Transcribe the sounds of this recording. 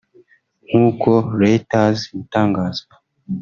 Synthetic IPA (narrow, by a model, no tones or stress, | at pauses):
ŋ̥uːkoɾeitazmutaːŋɡaːza